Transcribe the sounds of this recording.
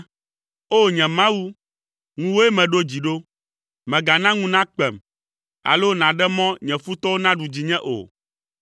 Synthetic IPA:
o˦ɲɛ̃˨mã˦wu˦ | ŋũ˦wo˦ɛ˦mɛ̃˨ɖo˦d͡ʑi˨ɖo˦ | mɛ̃˨ɡa˨nã˦ŋũ˦nã˦k͡pɛ˨m | a̰˨lo˦nã˨ɖɛ˦mɔ̃˦ɲɛ̃˨fu˦t̪ɔ˦wo˦nã˦ɖu˨d͡ʑi˨ɲɛ̃˦ʔo̰˨

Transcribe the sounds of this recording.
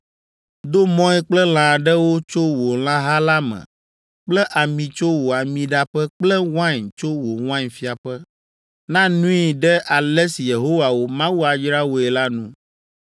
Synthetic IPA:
d̪o˦mɔ̃˦ɛ˦k͡plɛ˦l̃ã˨ɖɛ˦wo˦t͡ʃo˦wo˨l̃ã˦ɦa˦la˦mɛ̰̃˨ | k͡plɛ˦ʔa˨mĩ˨t͡ʃo˦wo˨a˨mĩ˨ɖa˦ɸɛ˦k͡plɛ˦w̃ã˦ɲt͡ʃo˦wo˨w̃ã˦ɲfi˦a˨ɸɛ˦ | nã˦nũ˦i˨ɖɛ˦ʔa˨lɛ˦si˨je˨ɦo˦wa˨wo˦mã˦wu˦a˨d͡ʒɾa˦wo˨ɛ˨la˦nũ˦

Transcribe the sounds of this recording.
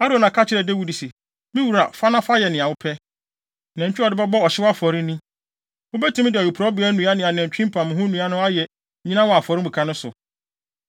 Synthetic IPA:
a˦ɾõ˨nã˨kʰa˦t͡ɕʰɪ˦ɾɛ˨de˦wu˨di˨sɛ˨ | mĩ˦wu˨ɾa̰˨fa˦nã˦fa˦jɛ˨nɪ̃˨a˨wʊ˦pʰɛ˦ | nɛ̃˨ɲt͡ɕᶣɪ˦ɔ˨dɪ˦bɛ˦bɔ˦ɔ˨ɕɪ˦wa˦fɔ˨ɾɪ̃˦nĩ˦ | ʊ˦bɛ˦tʰĩ˦m̃˦dɪ˨ɔ˨jʊ˨pʰɾɔ˦bɪ˨˦ɛ˦nũ˨˦a˦nɪ̃˨˦a˨nɛ̃˨ɲ˨t͡ɕᶣĩ˦m˦pʰã˨mʊ̃˨ɦʊ̃˦nũ˨˦a˦nʊ̃˦a˦jɛ˨ | ɲĩ˦nã˦wɔ˨a˨fɔ˨ɾɪ̃˦bu˨kʰa˦nʊ̃˦sʊ̰˨

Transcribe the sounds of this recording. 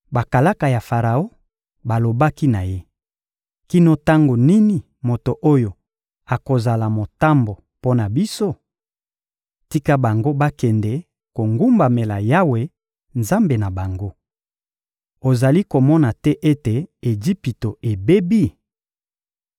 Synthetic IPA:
ba˨ka˨la˦ka˨ja˨fa˨ʁa˨o˦ | ba˨lo˨ba˦ki˦na˨je˦ | ki˦no˦ta˦ŋɡo˨ni˦ni˨ | mo˨to˨ʔo˦jo˨ | a˨ko˨za˨la˨mo˨ta˦mbo˨ | po˦na˨bi˦so˦ | ti˦ka˦ba˨ŋɡo˦ba˦kɛ˨ndɛ˨ | ko˨ŋɡu˦mba˨me˨la˨ja˦we˨ | nza˦mbe˨na˨ba˨ŋɡo˦ | o˨za˨li˦ko˨mɔ˦na˨tɛ˦ʔe˦te˨e˨d͡ʒi˦pi˨to˨e˨be˦bi˦

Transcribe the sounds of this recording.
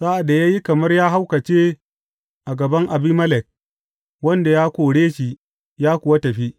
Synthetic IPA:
sa˦ʔa˨da˨jaː˦ji˦kɐ˨mɐ˦rjaː˦ɦa˦wkɐ˨t͡ʃeː˦ | ʔa˨ɡɐ˨bɐ˦ŋʔa˨biː˦mɐ˦lɛ˨k̚ | wɐ˦nda˨jaː˦kʷoː˨ɽeː˦ʃi˨ | jaː˦kʷʊ˨wa˦tɐ˨ɸi˦

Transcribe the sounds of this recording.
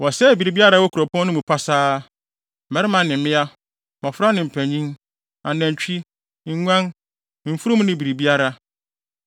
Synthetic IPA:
wɔ˨sɛ˦˨bi˨ɾi˨bi˦a˦ɾa˦wɔ˦kʰu˨ɾɔ˨pʰɔ̃˦n˦nʊ̃˦mũ˨pʰa˦saː˦˨ | mɛ˦ɾɪ˦mã˨nɪ̃˨m̩˦mɪ̃˦a˦ | mã˨fʊ˦ɾa˦nɪ̃˨m̩˨pʰæ˨ɲĩ˦n | ã˨næ̃˨ɲ˨t͡ɕᶣi˦ | ŋ̩˦ɲʷᶣã˦n | m̩˨fu˦ɾu˦mũ˦nɪ̃˦bi˨ɾi˨bi˦a˦ɾa˦

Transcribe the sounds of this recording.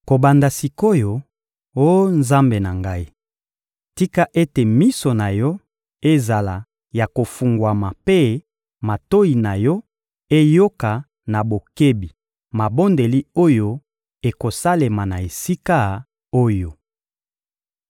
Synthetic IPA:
ko˨ba˨nda˨si˨ko˦jo˨ | o˦nza˦mbe˨na˨ŋɡa˦i˦ | ti˦ka˦ʔe˦te˨mi˦so˨na˨jɔ˦ | e˦za˨la˨ | ja˨ko˨fu˨ŋɡwa˨ma˨pe˦ | ma˨to˦i˨na˨jɔ˦ | e˦jo˦ka˨ | na˨bo˨ke˦bi˨ | ma˨bo˦nde˨li˦o˦jo˦ | e˨ko˨sa˦le˨ma˨na˨e˨si˦ka˦ | o˦jo˨

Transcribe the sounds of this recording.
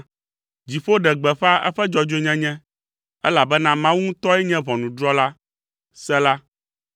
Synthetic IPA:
d͡ʑi˨ɸo˦ɖɛ˨ɡ͡bɛ˨ɸa˦ʔɛ̰˦ɸɛ˦d͡ʒɔ˨d͡ʒo˨˦ɲɛ̃˦ɲɛ̃˦ | ɛ˦la˨bɛ˦nã˦mã˦wu˦ŋũ˦t̪ɔ˦ɛ˦ɲɛ̃˦βɔ̃˨nũ˨dɾɔ˦la˦ | sɛ˦la˦

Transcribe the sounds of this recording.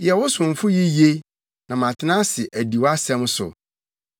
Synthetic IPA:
jɛ˨wʊ˦sʊ̃˨m˨fʊ˦ji˦je˦ | nã˨mã˨tʰɪ˦nã˦sɪ˨ʔæ˨di˨wa˦sɛ̃˦msʊ̰˨

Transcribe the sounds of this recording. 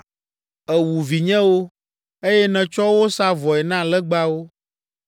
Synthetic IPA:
ɛ˨wu˨vi˨ɲɛ̃˦wo˦ | e˦jɛ˦nɛ̃˨t͡ʃɔ˦wo˦sa˦vɔ˨ɛ˨nã˦lɛ˦ɡ͡ba˦wo˦

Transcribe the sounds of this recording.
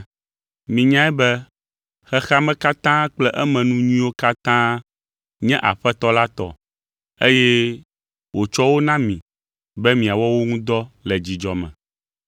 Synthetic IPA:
mĩ˨ɲã˦ɛ˦bɛ˦ | xɛ˦xa˦mɛ̃˦ka˦t̪ã˦k͡plɛ˦ʔɛ˦mɛ̃˨nũ˦ɲĩ˦wo˦ka˦t̪ã˦ | ɲɛ̃˦ʔa˨ɸɛ˦t̪ɔ˦la˦t̪ɔ̰˨ | e˦jɛ˦ | wo˨t͡ʃɔ˦wo˦nã˦mĩ˨ | bɛ˦mĩ˨a˨wɔ˦wo˦ŋũ˦d̪ɔ˦lɛ˨d͡ʑi˨d͡ʒɔ˨mɛ̰̃˨

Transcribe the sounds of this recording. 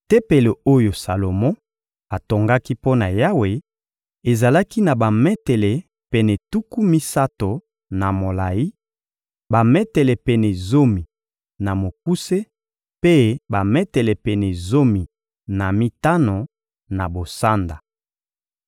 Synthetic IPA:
te˦pe˨le˨o˦jo˨sa˨lo˨mɔ̃˦ | a˨to˨ŋɡa˦ki˦po˦na˨ja˦we˨ | e˨za˨la˦ki˦na˨ba˨mɛ˦tɛ˨le˨ | pɛ˨nɛ˨tu˦ku˦mi˦sa˦to˨ | na˨mo˨la˨ji˦ | ba˨mɛ˦tɛ˨lɛ˨pɛ˨nɛ˨zo˦mi˨ | na˨mo˨k̚u˦se˦ | pe˦ba˨mɛ˦tɛ˨lɛ˨pɛ˨nɛ˨zo˦mi˨ | na˨mi˦ta˦no˨ | na˨bo˨sa˦nda˨

